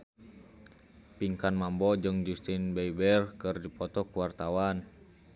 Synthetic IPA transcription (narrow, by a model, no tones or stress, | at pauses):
piŋkanmambɔd͡ʒɨŋd͡ʒust̪inbɛibɛrkɨrdipɔt̪ɔkuwart̪awan